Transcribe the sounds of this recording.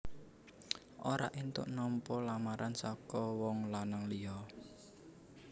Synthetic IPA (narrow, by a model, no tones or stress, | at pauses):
ʔoɾa̰ʔint̪ʊ̰ʔnɔmpɔlamaɾʔansɔkɔwɔŋlanaŋliɔ